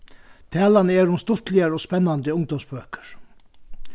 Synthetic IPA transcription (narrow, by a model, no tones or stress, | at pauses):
t̪ʰæːlanəɛːɾʊmst̪ʊt̪lɪaɾɔːspɛnːand̪əʊŋd̪ɔmsbøːkə̥ɹ̥